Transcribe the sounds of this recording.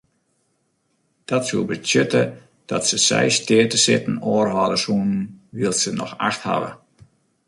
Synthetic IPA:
d̥ɔtsuəlˠbətjøtə | d̥ɔtsəsɛ̰jstɪətəsɪtn̩ɔːrɦɔdəsuːnn̩ʋiəlˠsənɔ̰xa̰xtha̰ʋə̰

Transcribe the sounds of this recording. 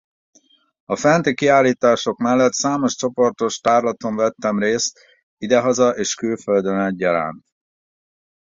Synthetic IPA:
ɒfɛnt̪ikiaːlːiːt̪aːʃo̞kmɛlːɛt̪saːmo̞ʃt͡ʃo̞po̞rt̪o̞ʃt̪aːrlɒt̪o̞ɱvɛt̪ːɛmreːst̪ | id̪ɛɦɒzɒʔeːʃkylføld̪ønɛɟ̚ːɒɾa̰ːnt̪

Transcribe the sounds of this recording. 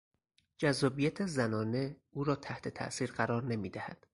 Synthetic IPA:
d͡ʒæzːɒːbijæt̪ʰezænɒːne̞uːɾɒːt̪ʰæht̪ʰe̞t̪ʰæ̰ʔsiːɾɢæɾɒːɾne̞miːd̪æhæd̪̥

